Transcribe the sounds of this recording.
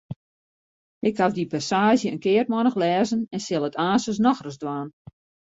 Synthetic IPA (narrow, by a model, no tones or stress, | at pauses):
ɪkhavdipasaːʒjəənkɪərt̚mɔnəxlɛːzənɛnsɪlˠətʰaːsəs̬nɔxrəsdwaːn